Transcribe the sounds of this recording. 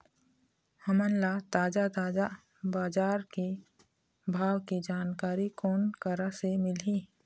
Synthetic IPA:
həmənlat̪aːd͡ʒat̪aːd͡ʒa | baːd͡ʒaːɾki | bʱaːwkid͡ʒaːnkaːɾikɔːnkəɾasemɪliː

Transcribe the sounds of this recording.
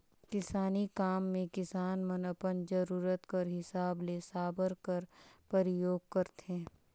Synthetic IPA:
kɪsaːnikaːmːẽkɪsaːnmənəpənd͡ʒəɾuːɾət̪kəɾɦɪsaːbleːsaːbəɾkəɾpəɾɪjoːɡ̚kəɾt̪ẽː

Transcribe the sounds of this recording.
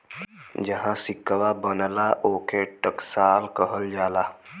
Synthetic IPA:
d͡ʒəɦãsɪkːəwabənlaʔoːkʰeʈəksaːlkəɦəld͡ʒaːlaː

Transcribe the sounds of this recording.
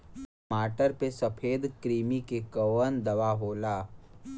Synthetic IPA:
maːʈəɾpesɐpʰeːd̪kɾiːmikekəʋənd̪ɐʋaɦoːlaː

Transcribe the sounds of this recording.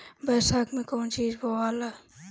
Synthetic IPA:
bɛːsaːkmẽkoːnt͡ʃiːd͡ʒboːaːla

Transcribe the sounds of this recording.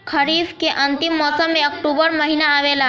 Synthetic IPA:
kʰəɾifkeʔənt̪imːɔsəmːẽək̚ʈubəɾməɦinaːʋela

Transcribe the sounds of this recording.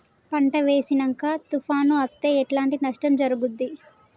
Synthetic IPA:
pɐɳʈɐʋeːsinɐŋkaːt̪ufaːnuɐt̪ːe̞ːɛʈlaːɳʈinɐʂʈɐmd͡ʒɐɾuɡud̪ːi

